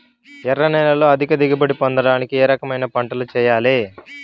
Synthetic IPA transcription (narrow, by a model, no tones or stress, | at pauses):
ɛrːɐnɛːlɐlo̞ːɐd̪ʱikɐd̪iɡɐbɐɽipɔnd̪ɐɽaːnikieːɾɐkɐmɐjnɐpɐɳʈɐlut͡ʃɛːjaːleː